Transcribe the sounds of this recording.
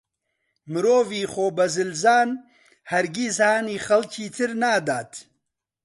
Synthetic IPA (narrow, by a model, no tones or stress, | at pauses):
mɨɾoːviːxoːbɐzɨlzaːn | hɐɾɡizhaːniːxɐlcʰiːt̪ʰɨɾnaːd̪aːt̪